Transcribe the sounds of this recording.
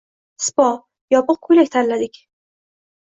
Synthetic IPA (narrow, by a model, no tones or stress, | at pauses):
spɒ | jɒpəq̚kʰʊjlak̚ʲt̪ʰanlad̪ɪkʲ